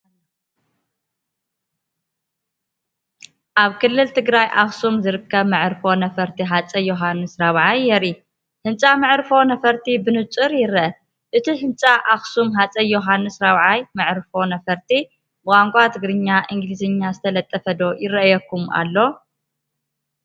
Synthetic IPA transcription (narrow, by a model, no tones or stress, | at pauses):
ʔaβkʰɨlːɨlt̪ʰɨɡɾajʔaxsumzɨɾɨkːɐβmɨʕɾfo̞nɐfɐɾt̪ʰiɦat͡sʼɐjoɦanːɨsɾaβʕajːɛɾi | hɨnt͡sʼamɨʕɾfo̞nɐfɐɾt̪ʰibɨnɨt͡sʼɨɾjɪɾɐɐ | ʔɨt̪ʰiɦɨnt͡sʼaʔaxsumɦat͡sʼɐjoɦanːɨsɾaβʕajmɨʕɾfo̞nɐfɐɾt̪ʰi | bɨkʼaŋkʷʼat̪ʰɨɡɾɨɲːaʔɨŋɡlizɨɲːazɨt̪ʰɐlɐt̪ʼːɐfɐd̪o̞jɪrɐʔjɐkːuma̰lːo̞